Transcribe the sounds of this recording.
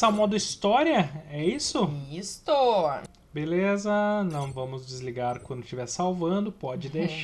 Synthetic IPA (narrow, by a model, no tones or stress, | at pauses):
sawmɔd̪ʊist̪ɔɾjɐɛisʊist̪ʊ | belezɐnɐ̃w̃vɐ̃mʊzd͡ʒɪzliɡaɾkwɐ̃nd̪ʊst͡ʃivɛɾsawvɐ̃nd̪ʊpɔd͡ʒɪd̪eʃ